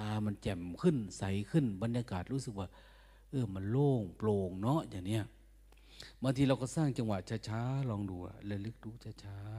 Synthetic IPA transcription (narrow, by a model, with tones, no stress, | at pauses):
aː˧˩ma˧nt͡ɕɛ˨˩mkʰɯ˧˥˩nsa˨˦jkʰɯ˧˩˨nba˨˧˦njaː˧kaː˨˩t̪̚ɾuː˦˥sɯ˨˩k̚waː˧˩ | ʔɤː˧˩ma˧˨nloː˧˩ŋploː˧˩ŋnɔ˦˥ʔjaː˨˩ŋni˦˧˩ɐʔ | ba˧ŋt̪ʰiː˧ɾla˧wkɔː˧˩saː˥˩ŋt͡ɕa˧ŋwa˨˩t̪̚t͡ɕʰaː˧t͡ɕʰaː˦˥lɔː˧ŋduː˧˩ɐ̰˦lɛ˧˩lɯ˧˦˥k̚duː˧˦t͡ɕʰaː˧t͡ɕʰaː˧˦˧